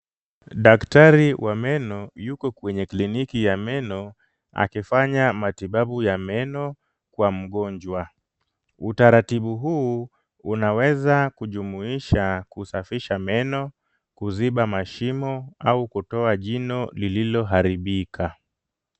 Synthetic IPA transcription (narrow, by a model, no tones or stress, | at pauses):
ɗaktaɾiwʔamɛnɔjukɔkwɛɲɛklinikijamɛnɔ | a̰kifaɲamatiɓaɓujamɛnɔ | kwam̩ɠɔɲd͡ʒwa | utaɾatiɓuɦuː | unawɛzakuʄumuiʃakusafiʃamɛnɔ | kuziɓamaʃimɔaukutɔaʄinɔlililɔɦaɾiɓikʰa